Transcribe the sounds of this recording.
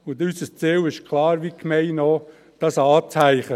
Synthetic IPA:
ʊndysəst͡seːwɪʃkʰlˠɑːɾʋikmɛɪno | d̥ɑsɑːt͡sæɪχə

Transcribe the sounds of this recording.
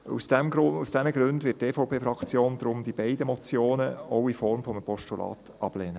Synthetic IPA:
ṵsd̥ɛmɡusd̥ɛməɡɾøndʋɪtːeːfɔʊwpʰeːfɾɑkt͡sjoːnd̪ɾʊmd̪ib̥ɛɪdəmɔt͡sjoːnəɔwifɔɾmfɔməpɔʃtulɑ̰ːt̪ | ɑb̥leːnə

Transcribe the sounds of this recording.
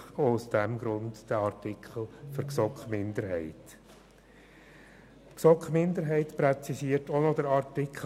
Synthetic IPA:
oʊsd̥ɛmɡɾʊntd̥æɑɾtɪkχəl̩føɾksɔkχmɪnd̪əɾɦɛ̰ɪt | ksɔkχmɪnd̪əɾɦɛɪtpɾɛt͡sisiətonɔdəɾɑɾtɪkʰ

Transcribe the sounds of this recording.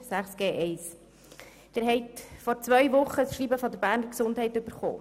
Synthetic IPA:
sæχsɡ̥eːʔɛɪs | d̥ɛɾɦɛɪtfɔɾt͡svœʏʋʊχːəsʃɾiːbəfɔd̪əɾbæːɾnəɾksʊndhɛɪtʏbəɾχo̰ː

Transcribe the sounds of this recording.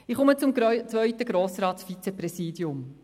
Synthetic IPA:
ɪχʊmət͡sʊmt͡sʋœʏtəɡɾoːsɾɑːtsfit͡sɛpɾɛsiːdiʊm

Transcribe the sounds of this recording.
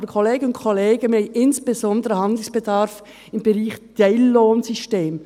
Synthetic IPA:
əkʰoleːɡənʊntkʰɔleːɡəmeɪɪnsb̥ezɔndəʁəhɑnd̪l̩sb̥edɑɾf | ɪmbəʁiːχd̥eɪlːoːnsyʃteːm

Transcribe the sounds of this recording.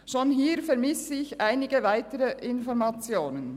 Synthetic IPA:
ʃoːnɦiːɾfɛʁmɪsɪɪçʔaɪnɪɡəvaɪtəʁəʔɪnfɔʁmɑt͡sjoːnən

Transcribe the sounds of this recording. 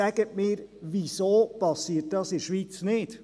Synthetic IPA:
æɡ̥ətmɪːɾʋisoːpɑsiːət̚d̥ɑːsɪɾʃʋiːt͡snɪd̥

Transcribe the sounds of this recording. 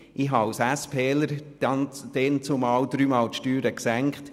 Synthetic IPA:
ɪɦɑwsæspʰɛːləɾ | d̥ɛnt͡sumɑːwd̪ɾyːmɑːlt̪ʃtyːɾəksæŋkχt

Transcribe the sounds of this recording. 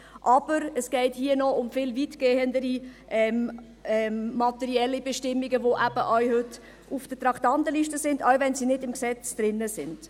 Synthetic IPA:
ʔɑb̥əɾəsɡ̥ɛɪthiːənɔʊmfɪlviːtɡ̥eːəndəɾiʔɛm | ɛmːɑtɛɾiɛlːibɛʃtɪmːiɡəvoʔæb̥əʔɔɥhʏtː | ʔufd̥ətɾɑktɑntəliːʃtəsɪndaʊvɛnsiːnɪdɪmksɛt͡sd̥ɾɪnːəsɪnd̥

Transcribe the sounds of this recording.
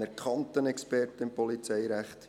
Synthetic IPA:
ɛɾkʰχɑnt̪ənɛkspɛrtəɪmpɔlit͡sɛjɾæχt̪

